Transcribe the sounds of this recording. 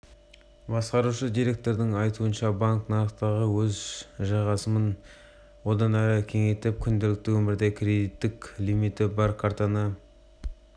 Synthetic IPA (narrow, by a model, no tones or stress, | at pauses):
bɑsqɑɾuʃəd̪ijɾe̞k̚t̪o̞ɾd̪ɪŋɑjt̪uənʃɑbaŋknɑɾəqt̪ɑʁəwɵzʒɑʁɑsəmən | wo̞d̪ɑnæɾəkʲʰe̞ŋe̞t̪ɪp̚kʲʰʏnd̪elɪk̚t̪ɪwɵmɪɾd̪e̞kʲʰɾe̞d̪it̪ːɪklimit̪ɪbɑɾkʰaɾt̪ɑnɑ